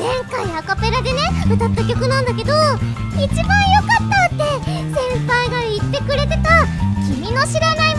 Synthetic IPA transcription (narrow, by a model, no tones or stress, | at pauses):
ẽ̞ŋkaiakape̞ɾad̪e̞ne̞ɯt̪at̪ːakʲo̞kɯ̟nãnd̪ake̞d̪o̞ | it͡ɕibãɰ̃jo̞kat̪ːat̪ːe̞ | zẽ̞mpaiɡait̪ːe̞kɯ̟ɾe̞t̪e̞t̪akʲimʲino̞ɕiɾanaim